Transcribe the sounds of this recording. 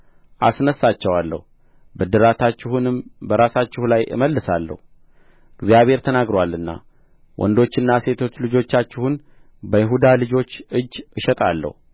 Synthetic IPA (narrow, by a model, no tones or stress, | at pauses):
ʔasnəsːat͡ʃːɛwalːə̰hu | bɨd̪ɨɾat̪ʰat͡ʃːɪhunɨmbəɾasat͡ʃːɪhulajʔɨ̰məlːɨsalːə̰hu | ɨɡzjaβhe̞ɾt̪ʰənaɡɾowalːɨnːa̰ | wʔɔ̰nd̪o̞t͡ʃːɨnːase̞t̪ʰo̞t͡ʃːlɨd͡ʒo̞t͡ʃːat͡ʃːɪhun | bəjɪɦud̪alɨd͡ʒo̞t͡ʃːɨd͡ʒːʔɨʃɛt̪ʼalːə̰hu